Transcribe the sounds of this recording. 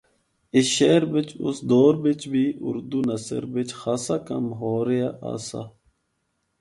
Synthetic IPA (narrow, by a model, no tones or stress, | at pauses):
iɕeːɾbɪt͡ɕʊ̰sd̪oːɾbɪt͡ɕbʱiːʊ̰ɾd̪unɐsə̰ɾbɪt͡ɕxaːsakɐ̰mɦoːɾijaʔa̰ːsa̰